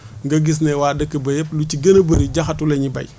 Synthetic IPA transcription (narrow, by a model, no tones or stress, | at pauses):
ŋɡɐɡis̬nɛwaːdəkːəbɐjɛp̚lut͡ʃiɡɐnɐbəɾiɟɐxɐtulɛɲibɐ̰j